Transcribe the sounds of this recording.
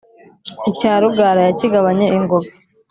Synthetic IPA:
icaːɾuɡaːɾajaciɡaβaɲeiŋɡoβe

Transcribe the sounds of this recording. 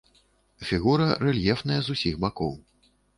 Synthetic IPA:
fʲiɣuɾɐrɛlʲjɛfnɐjɐzusʲixbakɔw

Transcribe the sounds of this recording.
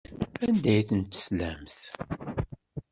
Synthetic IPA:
ænd̪æjθənt̪ːə̥slæmθ

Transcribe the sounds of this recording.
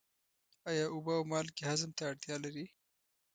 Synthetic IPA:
ɑjɑʔʊbaawmɑlkehazəmt̪aːɽt̪jɑlaɾi

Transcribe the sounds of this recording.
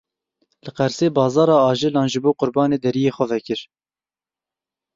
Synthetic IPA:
lɨqɛɾseːbɑːzɑːɾɑːɑːʒɨlɑːnʒɨboːqʊɾbɑːneːd̪ɛɾijeːxʷɛvɛkɨɾ

